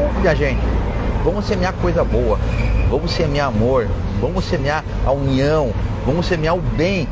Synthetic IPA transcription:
mĩaʒẽt͡ʃɪvɐ̃mʊsemĩakojzɐbowɐvɐ̃mʊsemĩamoɾ | vɐ̃mʊsemĩa | ɐuniɐ̃w̃vɐ̃mʊsemĩaʊbẽj̃

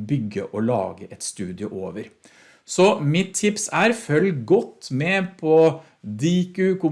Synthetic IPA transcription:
bʏɡːə̰ʔɔlɑ̰ːɡəʔɛt̪st̪ʉːd̪ɪʊʔoːʋəɾ | sɔmɪt̪ʰːɪpsæɾfœlɡɔt̪ːmɛpʰɔ | d̪iːkʉːkʊm

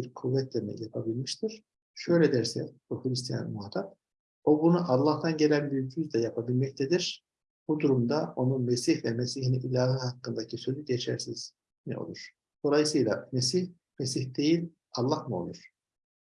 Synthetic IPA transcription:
iɾkʰuvːɛt̪̚d̪emɛ̰jjapʰabilʲmiʃt̪ʰiɾ̥ | ʃø̞jlʲɛd̪æɾsɛbuxɯɾist̪ʰija̰nmuɦat̪ʰap̚ | o̞bunuʔɑlˠːaht̪ʰanɟe̞lʲænbiycʰyzd̪ɛjapʰabilʲmɛct̪ʰɛd̪iɾ̥ | b̥ud̪uɾumd̪ao̞nunmesiçvɛmesihiniilʲaːɦɯhakːɯnd̪acʰisø̞zyɟet͡ʃʰæ̰ɾsiz̥ | nḭʔo̞̰lˠuɾ̥ | d̪̥o̞lˠajɯsɯjlˠa̰mesih | mesiçd̪e̞jilʲ | ɑlˠːahmuo̰lˠuɾ̥

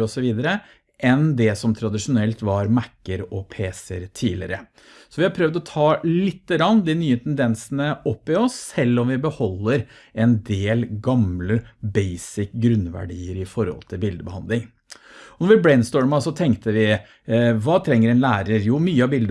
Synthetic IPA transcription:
ɔsɔʋiːd̪əɾə | ʔɛnd̪ɛsɔmt̪ʰɾɑd̪ɪʂʊnɛlt̪ʋɑɾmækːəɾɔpʰeːsəɾt̪ʰiːlɪ̰ɾə | sɔʋɪhɑɾpʰɾœʋd̪ɔt̪ʰɑːlɪt̪ːəɡɾɑnːd̪inyːət̪ʰɛnd̪ɛnsənəɔpːɪɔsːɛlːɔmʋɪbəhɔlːəɾ | ɛnd̪eːlɡɑmləbɛɪsɪkɡɾʉnːʋæ̰ɖiːəɾɪfɔɾhɔ̰lt̪ʰɪlbɪld̪əbəhɑnd̪lɪŋ | ɔnɔɾʋɪbɽɛɪnst̪ɔːɹmɑsɔt̪ʰɛŋkt̪əʋɪ | ʋɑːt̪ʰɾɛŋːəɾɛnlæːɾəɾjuːmyːəɑbɪld̪ə

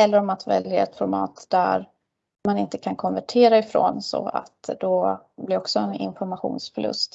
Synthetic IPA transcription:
ɛlːəɾɔmat̪vɛ̰ljaɛt̪fɔɾmɑ̰ːt̪d̪̥æɾ | manɪnt̪əkʰankʰɔnvæʈʰeːɾaɪfɾo̰ːnsɔ̰a̰t̪d̪ɔ | blɪɾɔksɔɛnɪ̰nfɔɾmaɧṵːnsfœɭɵ̰st̪

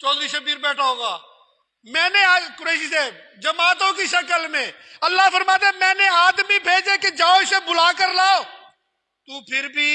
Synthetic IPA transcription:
t͡ʃɔːd̪ɾiːsəbiːɾbɛːʈʰaɦoːɡaː | mɛ̃ːnekʊɾeːʃisɛːb̚ | d͡ʒəmaːt̪õkiʃəkəlmẽːəlːaːpəɾmaːt̪eɛːmɛ̃ːneaːd̪mibʱeːd͡ʒeːked͡ʒaːoɪsebʊlaːkəɾlaːoː | t̪uːpʰɪɾbʱiː

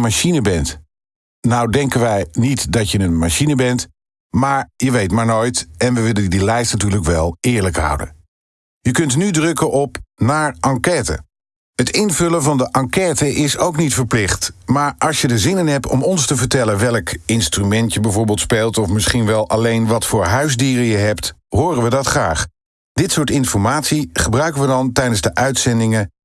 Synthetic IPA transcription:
maʃinəbɛnt | nawdɛŋkənʋɛjnitdɑtjəənmaʃinəbɛnt | maːɹjəʋejtmaːɹnojtɛnʋəʋɪləndilɛjstnatyːɹləkʋɛlˠɪːɹləkɦʌ̰wdə̰n | jəkɵntnydrɵkəʔɔpnaːɹʔɑŋkɛːtə̰ | ɦətɪnvɵləvɑndəʔɑŋkɛːtəʔɪsowknitfəɹplɪχtmaːɹɑlˠsjədəzɪnənɦɛp̚tɔ̰mɔnstəvəɹtɛlənʋɛlˠkɪnstrymɛntjəbɛjvʊːɹbɪːlˠtspejlˠtɔfmɪsχinʋɛlˠʔɑlejnʋɑtfʊːɹɦœɥzdiːrəjəɦɛptɦʊːrənʋədɑtχraːχ | d̥ɪtsʊːɹtɪnfɔɹmaːtsiχəbrœɥkəʋədɑntɛjdənzdəʔœɥtsɛndɪŋə

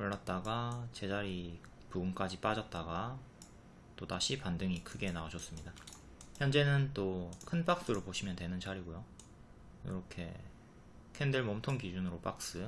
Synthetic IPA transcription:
oɭːat̚t͈aɡat͡ɕe̞d͡ʑaɾi | puɡunk͈ad͡ʑip͈ad͡ʑʌt̚t͈aɡa | t͈otaɕʰipandɯŋikʰɯɡe̞nauɕʰʌs͈ɯmɲida | çjʌnd͡ʑe̞nɯnt͈okʰɯnp͈ak̚s͈ɯɾopoɕʰimjʌndwe̞nɯnt͡ɕaɾiɡojo | jo̰ɾʌkʰe̞̰ | kʰendɯɭmʌmtʰoŋkid͡ʑunɯɾop͈ak̚s͈ɯ

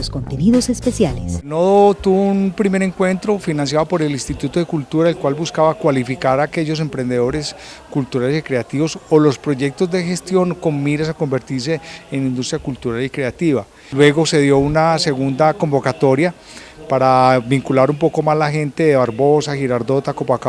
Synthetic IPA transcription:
oskont̪eniðosespesjalesnoðot̪uβounpɾime̞ɾe̞ŋkwe̞nt̪ɾo̞finãns̬jaðopo̞ɾe̞linst̪it̪ut̪oðekult̪uɾaelkwalbuskaβakwalifikaɾake̞ʝo̞s̬e̞mpɾe̞nd̪e̞ðo̞ɾe̞s | kult̪uɾale̞sikɾeat̪iβo̞solo̞spɾo̞ʝe̞k̚t̪o̞zd̪e̞xe̞st̪jo̞ŋko̞nmiɾes̬ako̞mbe̞ɾt̪iɾs̬e̞ːnĩnd̪ust̪ɾjakult̪uɾalikɾe̞at̪iβa | lweɣo̞se̞ðjo̞unase̞ɣund̪ako̞mbo̞kat̪o̞ɾja | paɾabiŋkulaɾumpo̞ko̞mazlaxe̞nt̪eðeβaɾβo̞saxiɾaɾd̪o̞t̪akopaka

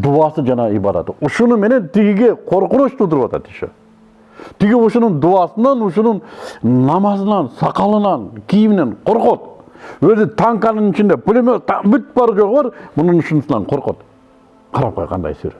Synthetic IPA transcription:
d̪uɑsəd͡ʒɑnɑibɑɾɑ̰t̪əʊʃʊnəme̞ne̞nt̪ʰɪɡʲɪɡʲeqʰo̞ɾqənʊʃt̪ʰud̪əɾəpɑt̪ɑ̰t̪i̥ʃḛ | t̪ʰɪɡʲɪʊʃʊnəɴd̪uɑsənɑnʊʃ̬ʊnəɴnɑmɑzənɑnsɑqɑlˠənɑnkʲʰijɪmɪneɴqʰoɾqot̪wɵzɪt̪ʰɑŋkɑnəɴŋɪt͡ʃɪnd̪e̞pʊlʲemet̪ɑbʏt̪̚bɑɾʒoʁəbɑɾmʊnəɴʊʃʊnəsənɑɴqʰoɾqo̰t̪ | qʰɑɾɑp̚qʰojqʰɑ̰nd̪ɑ̰jsø̰ɾe

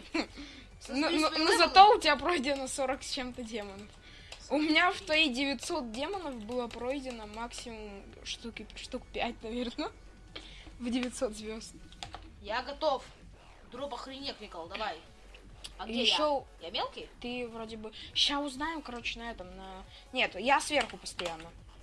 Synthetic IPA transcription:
nononozɐt̪oʊtʲɪbʲapɾojdʲɪnəso̞ɾəksʲt͡ɕemt̪ədʲe̞mənəf | ʊmʲɪnʲaft̪vɐidʲɪvʲɪt̪so̞t̪̚dʲe̞mənəfbɨlˠəpɾojdʲɪnəmaksʲɪmʊm | ʂt̪ukʲɪʂt̪ukpʲæt̚ʲnɐvʲe̞rnə | vdʲɪvʲɪt̪so̞t̪zvʲo̞st̪jaɡɐt̪of | d̪ɾopəxɾʲɪnʲekvʲikəlˠlˠd̪ɐvaj | ajɪɕːojamʲelˠkʲɪjt̪ɨvɾodʲɪbɨɕaʊznajɪmkɐɾo̞t͡ɕɪnɐɛt̪əmnɐ | nʲe̞t̪jasvʲe̞rxʊpə̥st̪ɐjanːə

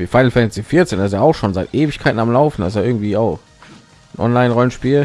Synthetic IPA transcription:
viːfaɪənfɛnsifɪɐt͡seːnasjaaʊxʃoːnzaɪtʔeːvɪçkʰaɪtn̩amlaʊfn̩da̰ɪs̬ɪɐɡŋ̩tv̥iːaʊx | nʔɔ̰nlaɪnʁɔlənʃpiːl

